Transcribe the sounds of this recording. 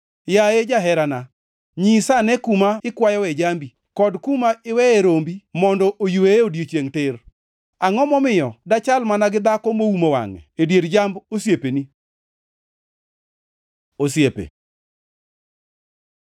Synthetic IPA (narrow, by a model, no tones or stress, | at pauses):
jaed͡ʒaɦɛɾana | ɲisanɛkumaɪkwajɔwɛd͡ʒambi | kɔdkumaɪwɛeɾombimɔndɔʔojuweeodjet͡ʃjeŋtɪr | aŋɔmɔmɪjɔdat͡ʃalmanaɡɪd̪akɔmoumowa̰ŋɛ̰edjeɾd͡ʒambosjepeni | osjepḛ